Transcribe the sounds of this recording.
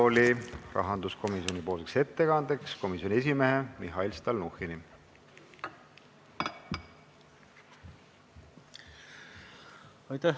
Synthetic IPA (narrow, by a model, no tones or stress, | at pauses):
olirɑ̰ɦɑnd̪usko̞miso̞nipo̞ːlsekse̞t̪ːe̞kɑnd̪̥eksko̞misjo̞nʲie̞s̬imeɦemiɦɑilst̪ɑlnuhini | ɑjt̪æ